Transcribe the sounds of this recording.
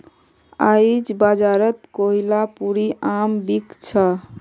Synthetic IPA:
ajd͡ʒbad͡ʒaɾət̪koɦilapuɾiʔambikt͡ʃʰə

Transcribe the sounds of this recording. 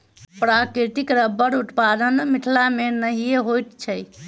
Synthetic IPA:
pɾakɾiʈ̪ikɾəbːəɽut̪pad̪ənmiʈʰlamenəɦijeɦojt̪t͡ʃʰəj

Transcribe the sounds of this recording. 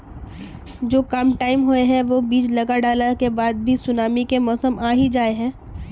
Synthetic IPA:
d͡ʒoːkamʈaːɪmɦoeɦɛ̃ʋobiːt͡ʃlɐɡaɖaːləɾkebaːd̪̚bʱisʊnaːmikemɔːsəmʔaːɦid͡ʒaːeɦɛ̃ː

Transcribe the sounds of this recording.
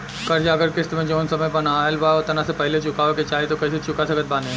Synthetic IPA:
kɐɾd͡ʒaɐɡəɾkɪst̪mẽd͡ʒoːnsɐməjbɐnaːəlbaːʊt̪ɐnasepɛɦlet͡ʃʊkaʋeket͡ʃaːet̪okɐɦset͡ʃʊkasɐkət̪̚baːnẽ

